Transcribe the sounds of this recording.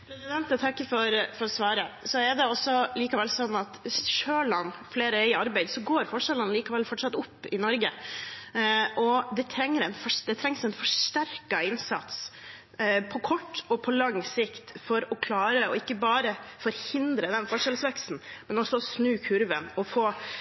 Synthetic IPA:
pʰɾɛsɪd̪ɛnt̪ət̪ʰɑkːəfɔɾfɔɾɔsʋɑːɾəsɔɛɖɛɔsːɔliːkɑʋɛlsɔnːɑt̪ɪsʃøːɭɑnːfleːɾəɛɪɑɾbæɪd̪sɔɡoːɾfɔʂɛlɑnliːkɑʋɛlfɔʈʂɑt̪ːʊpːɪnɔɾɡə | ʔɔd̪ɛt̪ʰɾɛŋːəɾɛnfɔʂd̪ɛt̪ʰɾɛŋsɛɪnfɔʂʈ̪æɾkɑɪnsɑt̪s | pʰɔkʰɔʈːɔpʰɔlɑŋsɪkt̪fɔɾɔkʰlɑːɾəɔɪkːəbɑːɾəfɔɾhɪnd̪ɾəd̪ɛnfɔʂɛlsʋɛkst̪n̩mɛnɔsːɔɔsnʉːkʰʉɾʋənɔfoː

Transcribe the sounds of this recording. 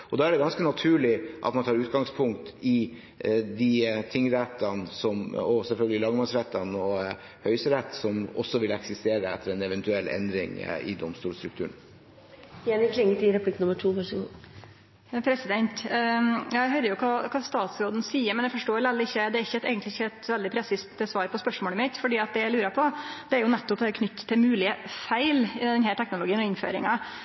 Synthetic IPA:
ɔd̪ɑːæɖɛɡɑnskənɑt̪ʰʉːɭɪʔɑ̰t̪mɑnʰɑːɾʉːt̪ɡɑŋspʰʊŋk̚t̪ɪ | d̪ɪt̪ʰɪŋːɾɛt̪ʰːɑnsɔmɔsɛlfœlɡəlɪlɑɡmɑsɾɛt̪ʰːɑnɔ | hœʏsəɾɛt̪ːsɔmɔ̰sːɔʋɪlɛksɪst̪eːɾəɛ̰t̪ːəɾɛnɛʋɛnt̪ʉɛlːʔɛ̰nd̪ɾɪ̰ŋɪ̰d̪ɔmst̪uːlst̪ɾʉkt̪ʰʉ̰ːən | ɛnɪkʰlɪŋːət̪ɪɾɛpʰlɪkːnʊmːəʈʰuːʋɑʂɡo | pʰɾɛsɪd̪ɛnt̪ | jæɦœʏɾəjʊkʰɑːkʰɑːst̪ɑːt̪sɾoːd̪n̩siːəɾmɛnjæɪfɔʂʈoːlɛlːɪɪçːəd̪ɛæɾɪçːəɛt̪æɛɪɡənɪɪçːəɛt̪ʋɛld̪ɪpʰɾɛsɪst̪əsʋɑːɾpʰɔspœʂmoːɭɪmɪt̪fɔɖiːɑt̪̚d̪ɛjæɪlʉːɾəpʰɔd̪̥ɛæɾjʊnɛt̪ːɔpd̪ɛɾkʰnʏt̪ːt̪ʰːɪmʉːlɪəfæɪld̪ɛnhæːʈʰɛknʊlʊɡiːənɔɪnfø̰ːɾɪŋɑ

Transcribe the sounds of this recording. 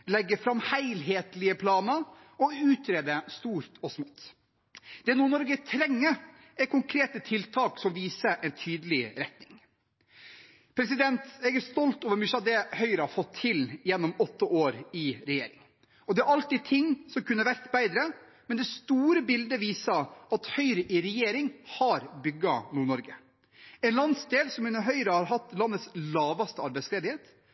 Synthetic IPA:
lɛɡːəfɾɑmːhæɪlɦeːt̪lɪəpʰlɑːnəɾ | ɔʉːt̪ʰɾeːd̪əst̪uːɾt̪ɔsmoːt̪ː | d̪̥ɛːnuːnɔɾɡət̪ʰɾɛŋːə | ɛkʊŋkʰɾeːt̪ət̪ʰɪlt̪ʰɑːksɔmʋiːsəʔɛnt̪ʰyːd̪əlɪɾɛt̪nɪŋ | pʰɾɛsɪd̪ɛnt̪ɛɡæɾst̪ɔlt̪oːʋəɾmʉʃɑd̪ɛhœʏɾəhɑfɔt̪ʰːɪljɛnːɔmɔt̪ːəʔoːɾɪɾɛjḛːɾɪ̰ŋ | ɔd̪ɛæɾɑlt̪iːd̚t̪ʰɪŋːsɔmkʰʉnːəʋæɾk̪bæɪd̪ɾə | mɛnd̪ɛst̪uːɾəbɪld̪əʋiːsɑɑt̪hœʏɾəʔɪɾɛjeːɾɪŋhɑɾbʏɡɑnuːɳɔɾɡə | ɛɪnlɑnsd̪eːlsɔmɪnəɦœʏɾəhɑɾɦɑt̪ːlɑnːət̪slɑːʋɑst̪əɑɾbæɪsleːd̪ɪheːt̪

